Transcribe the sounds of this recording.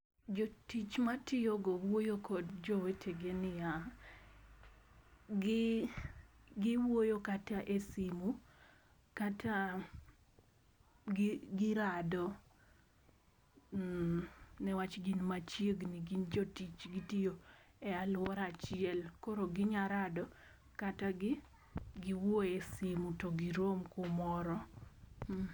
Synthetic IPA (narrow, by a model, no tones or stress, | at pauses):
d͡ʒotit͡ʃmatɪjoɡowojokʰɔdd͡ʒɔwetʰeɡenɪja | ɡɪ | ɡɪwojokataʔesimu | katʰa | ɡɡɪɾadɔ | nɛwat͡ʃɡinmat͡ʃjeɡniɡind͡ʒotit͡ʃɡitijoɛalwɔɾat͡ʃɪɛlkoɾoɡɪɲaɾadɔ | kataɡɪ | ɡɪwoesimutoɡiɾomkʊmɔɾɔ